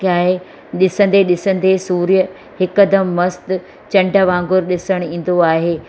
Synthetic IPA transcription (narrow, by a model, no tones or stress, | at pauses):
kaːɦe | ɗɪsə̃nd̪eɗɪsə̃n̆d̪esuːɾjə | hɪkəd̪əmːɐst̪ | t͡ɕɐ̃ɳɖʱəʋãːŋɡʊɾɗɪsəɽ̃ĩːn̆d̪oaːɦeː